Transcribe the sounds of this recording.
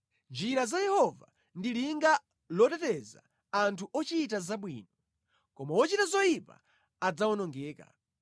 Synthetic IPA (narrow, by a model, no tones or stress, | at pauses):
nd͡ʒiɾazajɛhɔva̰ | ndiliŋɡa | lɔtɛtɛza̰ | antʰuʔɔt͡ʃit̬azaɓwiːnɔ | kɔmawɔt͡ʃitazɔjipa̰ | ad͡zawɔnɔŋɡɛːka̰